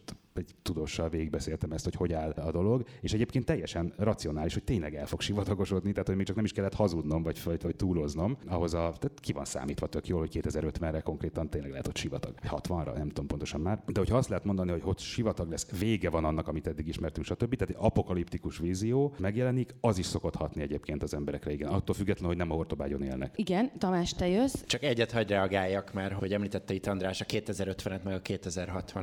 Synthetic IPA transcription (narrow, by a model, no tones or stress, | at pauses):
ɛɟt̪ud̪oːʃːɒlveːɡiɡ̚bɛseːlt̪ɛmɛst̪ho̞cho̞ɟaːlɒd̪o̞lo̞ɡeːʃɛɟeːpkeːnt̪ːɛjːɛʃɛnrɒt̪sio̞naːliʃhoc̚t̪eːɲlɛɡɛlfo̞kʃivɒt̪ɒɡo̞ʃo̞d̪nit̪ɛɦaːt̪hoɟmeːkt͡ʃɒknɛmiʃkɛlːɛt̪hɒzud̪no̞mvɒɟfɒɒc̚t̪uːlo̞zno̞mɒɦo̞zɒt̪at̪kivɒ̰nsa̰ːmiːt̪ʋɒt̪økjoːlhockeːt̪ɛzɛɾøt̪ʋɛnrɛko̞ŋkreːt̪ɒnt̪eːɲlɛɡlɛɦɛt̪ʰot̪ʃivɒt̪ɒ̰ɡ̥ɒchɒt̪ʋɒnrɒ̰nɛmt̪uompo̞nt̪o̥ʃɒmmaːrd̪ɛho̞cʰhɒɒst̪lɛɦɛt̪mo̞nd̪ɒniho̞chot̪ʃivɒt̪ɒɡlɛsveːɡɛvɒnɒnːɒkɒmit̪ɛd̪ːiɡiʃmɛrt̪yŋkʃɒt̪øbːit̪ɛːt̪ɒpo̞kɒlipt̪ikuʃʋiːzioːmɛɡjɛlɛnikɒziʃso̞ko̞t̪hɒt̪niɛɟeːpkeːnt̪ɒzɛmbɛɾɛkrɛiɡɛnɒt̪ːoːlfyɡːɛt̪lɛnhoɟnɛmɒɦo̞rt̪o̞baːɟo̞nḛːlnɛ̰kiɡɛnt̪ɒmaːʃt̪ɛjøst͡ʃɒkɛɟːɛt̪hɒɟrɛɒɡaːjːɒkmaːrhoɟɛmliːt̪ɛt̪ːɛit̪ɒnd̪ɾaːʃɒkeːt̪ɛzɛɾøt̪ʋɛnɛt̪mɛɡɒkeːt̪ɛzɛrɦɒt̪ʋɒn